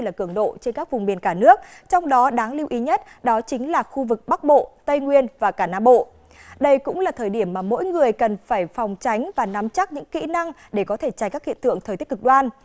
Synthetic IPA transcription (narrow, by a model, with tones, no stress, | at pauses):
laː˨˩kɨ˧˩əŋɗo̰˧˨t͡ɕe˧nkaː˦˥k̚vʊ˨˩ŋ͡mɓi˨˩ənkaː˧˩nɨ˦˥ək̚t͡ɕɔ˧wŋ͡mɗɔ˨˦ɗaː˨˦ŋli˧wʔi˨˦ɲə˦˥t̚ | ɗɔ˨˦t͡ɕï˨˦ŋ̟laː˨˩xu˧vɨ˨˩k̚ɓa˦˥k̚ɓo̰˧˨t̪ə˧jŋwi˧ənvaː˨˩kaː˧˩na̰ː˧˥ɓo̰˧˨ | ɗə˧jkʊ̰˧˥ŋ͡mlaː˨˩t̪ʰəː˨˩jɗi˧˩əmːaː˨˩mo̰˧˥jŋɨ˨˩əjkə˨˩nfaː˧˩jfɔ˨˩wŋ͡mt͡ɕa˨˦jŋ̟vaː˨˩na˨˦mt͡ɕa˦˥k̚ɲɨ̰˧˥ŋkḭ˧˥na˧ŋ | ɗe˧˩kɔ˨˦t̪ʰe˧˩t͡ɕa˨˦jkaː˦˥khḭ˧˨nt̪ɨ̰˧˨əŋt̪ʰəː˨˩j̪t̪kɨ˨˩k̚ɗwaː˧n